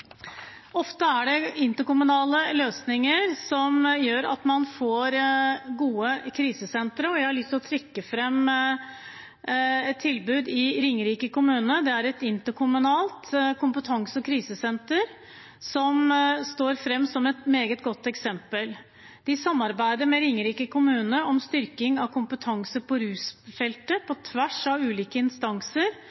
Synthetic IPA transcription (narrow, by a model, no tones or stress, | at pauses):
ɔft̪əæɖɛɪnt̪əkʊmʉnɑːləløːsnɪŋəɾsɔmjøːɾɑ̰t̪mɑnfoːɾɡuːəkʰɾiːsəsɛnt̪ɾəɔjæɪhɑɭʏst̪lɔt̪ʰɾɪkːəfɾɛm | ɛt̪ʰːɪlbʉːd̪ɪɾɪŋːɾiːkəkʊmʉːnəd̪ɛæɾɛt̪ɪnt̪əkʰʊmʉnɑːlt̪kʊmpət̪ʰɑŋsɔkʰɾiːsəsɛnt̪əɾ | sɔmst̪oːɾfɾɛmːsɔmɛt̪meːɡət̪̚ɡɔt̪ːɛksɛmpəl | d̪̥ɪsɑmːɑɾbæɪd̪əɾmɛɾɪŋːəɾiːkəkʰʊmʉːnəɾɔmst̪ʏɾkɪŋɑʋkʰʊmpət̪ʰɑŋsəpʰɔɾʉːsfɛlt̪əpʰɔt̪ʰʋæʂɑʋʉːliːkəɪnst̪ɑŋsəɾ